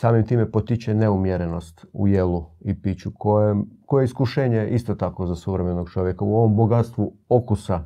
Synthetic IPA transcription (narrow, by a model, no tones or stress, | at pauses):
saːmimt̪iːmepot̪it͡ɕeneumjeɾeno̞st̪ṵjelˠuipit͡ɕukoekojeiskuʃeːɲeʔist̪ot̪ako̞zasuʋɾeme̞no̞ɡt͡ʃo̞ʋjekauo̞ʋo̞mbo̞ɡat̪st̪ʋuokusa